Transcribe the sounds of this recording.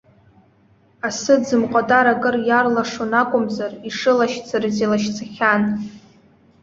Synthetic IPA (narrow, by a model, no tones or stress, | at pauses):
asɨd͡zɨmqʷʼatʼaɾakʼɨrjarlaʂonakʷʼʊmzariʂɨlaʃt͡sʰarɨzilaʃt͡sʰaχʲan